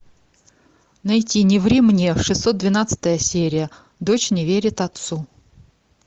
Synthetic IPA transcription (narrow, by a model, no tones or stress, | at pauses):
nɐjtʲinʲɪvɾʲɪmnʲiəʂɨsːot̪̚d̪vʲɪnat̪sə̥t̪əjəsʲeɾʲɪjə | d̪ot͡ɕnʲɪvʲeɾʲɪt̪ɐt̪su